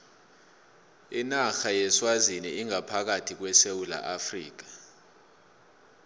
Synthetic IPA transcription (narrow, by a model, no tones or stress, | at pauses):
inaxajɛswaziniiŋapʰak̬atʰik̬wɛsewula̰ʔafrḭːk̬ḁ